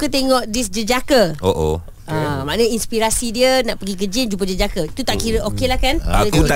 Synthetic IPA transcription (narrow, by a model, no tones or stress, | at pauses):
ukət̪eŋɔʔdis̬d͡ʒəd͡ʒakəoʔo̰ | amãʔnə̃inspiɾasidiənaʔpəɡik̬əd͡ʒind͡ʒup̬əd͡ʒəd͡ʒakəit̪ut̪aʔkiɾəʔokelahkanaəku